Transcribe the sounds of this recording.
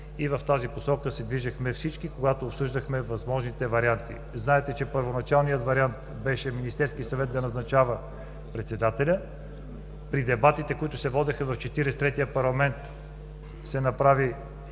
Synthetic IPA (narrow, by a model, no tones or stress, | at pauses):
ivɐft̪aziposɔkəsɛd̪viʒəxmɛfsit͡ʃkikoɡat̪oːpsɤʒd̪əxmɛvɐzmɔʒnit̪ɛvɐɾiant̪ḭ | znaɛt̪ɛt͡ʃɛpəɾvonɐt͡ʃalˠnijət̪vɐɾiant̪ | bɛʃɛminist̪ɛɾskisɐvɛt̪̚d̪ɐnɐznɐt͡ʃavə | pɾɛt̪sɛd̪at̪ɛlʲə | pɾid̪ɛbat̪it̪ɛkoit̪ʊsɛvɔd̪ɛxəvɐft͡ʃɛt̪iɾɛst̪ɾɛt̪ijəpɐɾlˠɐmɛnt̪ | sɛnɐpɾavi